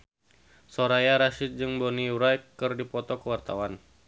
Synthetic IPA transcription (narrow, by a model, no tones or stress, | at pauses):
sɔɾajaɾaʃit̪̚d͡ʒɨŋbɔniuɾajkːɨrdipɔt̪ɔkəwart̪awan